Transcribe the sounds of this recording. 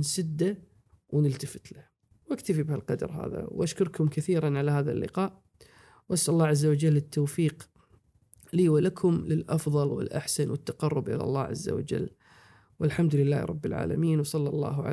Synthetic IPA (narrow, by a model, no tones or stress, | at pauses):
nsɪd̪ːa | wnɪlt̪afɪ̥t̪la | wʔakt̪afibhalqɑd̪ɑɾˤɦa̰ːða̰wʔaʃkʊɾˤkʰʊmkaθiːɾanʕalahaːða̰lːɪ̰qɑːʔ | wʔasʔalːɑːʕazːawad͡ʒalːɪt̪ʰːoːfiːq | liːwalakʰʊmlɪlʔɑfðˤɑlwɪ̰lʔaħsanwɪt̪ːaqɑrˤːʊbʔɪ̰la̰lˤːɑ̰ːʕa̰zːa̰wa̰d͡ʒa̰l | wʔɪlħamd̪ʊlɪlːaːɾˤɑ̰bːɪlʕa̰ːla̰miːnwsˤɑlːɑlˤːɑ̰ːɦʕa̰